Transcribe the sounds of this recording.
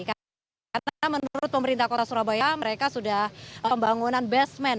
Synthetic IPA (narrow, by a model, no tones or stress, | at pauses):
ka | aɾənamənuɾʊt̪̚pəməɾint̪ahkot̪asuɾabajaməɾekasudahəmbaŋunanbɛsmɛn